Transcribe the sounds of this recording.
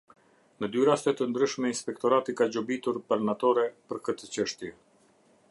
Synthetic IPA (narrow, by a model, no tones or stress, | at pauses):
nəd̪yɾast̪ɛt̪ənd̪ɾyʃmɛinspɛkt̪ɔɾat̪ikad͡ʑɔbit̪uɾpaɾnat̪ɔɾɛpəɾkət̪ət͡ɕəʃt̪jɛ